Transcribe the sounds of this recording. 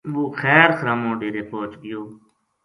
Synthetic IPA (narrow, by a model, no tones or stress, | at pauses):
ʋoːxɛːɾxɾaːmõːɖeːɾeːpoːt͡ʃɡɪjoː